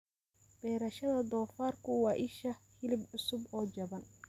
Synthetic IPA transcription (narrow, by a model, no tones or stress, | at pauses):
b̥ɛːɾɐʃɐðɐd̪ɔːfaːrkʰʊwɑːʔɪʃɐhɪlɪbʕʊsʊbɔːd͡ʒɐβɐn